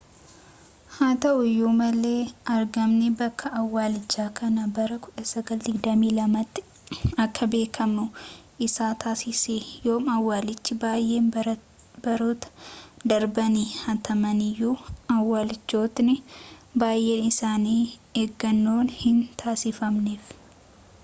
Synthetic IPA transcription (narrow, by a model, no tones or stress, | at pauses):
haːt̪ɐʔʊjoːmɐle̞ːɐɾɡɐmnɪbɐkʰːɐɐwːaːlɪt͡ʃːaːkʰɐnɐbɐɾɐkʊᶑɐsɐɡɐld̪ɪɡd̪ɐmiːlɐmɐt̪ːɪ | ɐkːɐbe̞ːkʰɐmʊʔɪsaːt̪ʰaːsɪsejoːmɐwːaːlɪt͡ʃːɪbaːjʔe̞ːn | b̥ɐɾoːt̪ɐ̥d̪ɐɾbɐnihɐt̪ʰɐmɐnɪjːuːɐwːaːlɪt͡ʃːo̞ːt̪nɪbaːjʔe̞ːnɪsaːniːeːɡːɐnːo̞ːnhɪnt̪ʰaːsɪfɐmneːf